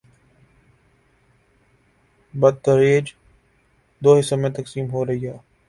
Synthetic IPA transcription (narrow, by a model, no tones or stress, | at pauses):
bəd̪̚t̪əɾeːd͡ʒ | d̪oːɦɪsomẽt̪əksiːmɦoːɾəɦiːɦaː